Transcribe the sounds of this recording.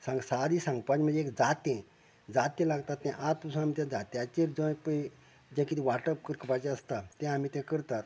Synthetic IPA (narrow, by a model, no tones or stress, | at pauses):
sãŋɡsad̪isãŋɡpad͡ʑm̤ənd͡zeekd͡zat̪ẽ | d͡zat̪ẽlaɡt̪at̪ːɛ̃ʔat̪̚t̪əsũamit̪̬ãd͡zat̪eat͡ɕeɾd͡zə̃jpə | d͡ʑãkit̪iʋaʈəp̚kəɾkʰəpat͡ɕɛ̃əst̪at̪ɛ̃amit̪ãkəɾt̪at̪